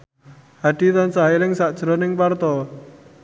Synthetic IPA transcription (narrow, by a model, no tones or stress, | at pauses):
haɖ̥it̪ansaɦilɪŋsaʔd̥ʒ̥ɾɔnɪŋpart̪ɔ